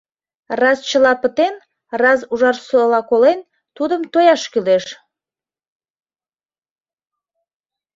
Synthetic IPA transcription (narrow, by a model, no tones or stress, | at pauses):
rɑst͡ɕəlɑpət̪en | rɑzuʒɑrsəlɑkolen | t̪ud̪əmt̪ojɑʃkyleʃ